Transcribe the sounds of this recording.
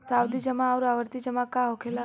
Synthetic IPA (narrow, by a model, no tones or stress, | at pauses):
sawd̪id͡ʒəmaːʋɾaʋəɾt̪id͡ʒəmãkãɦokʰela